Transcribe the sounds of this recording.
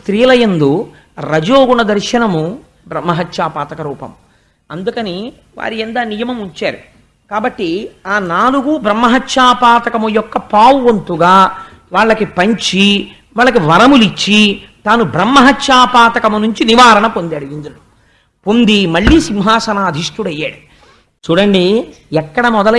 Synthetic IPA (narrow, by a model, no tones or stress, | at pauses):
st̪ɾiːlɐjɐnd̪u | ɾɐd͡ʒoːɡuɳɐd̪ɐɾʃɐnɐmu | bɾɐmːɐɦɐtːʃaːpaːt̪ɐkɐɾuːpɐ̰mu | ɐnd̪ukɐni | ʋa̰ːɾiɛnd̪aːnijɐmɐmuɲt͡ʃaːɾu | kaːbɐʈːiaːnaːluɡubɾɐmːɐɦɐtːʃaːpaːt̪ɐkɐmujɔkːɐpaːwɐnt̪uɡaː | ʋaːɭːɐkipɐɲt͡ʃi | ʋaːɭːɐkiʋɐɾɐmulit͡ʃːit̪aːnubɾɐmːɐɦɐtːʃaːpaːt̪ɐkɐmunuɲt͡ʃiniʋaːɾɐnɐpond̪aːɽujind̪uɾɐɽu | pond̪imɐɭːisimɦaːsɐnaːd̪ʱiʂʈ̪uɽɐjːaːɽu | t͡ʃuːɽɐɳɖi | ɛkːɐɽɐmɔd̪ɐlɐ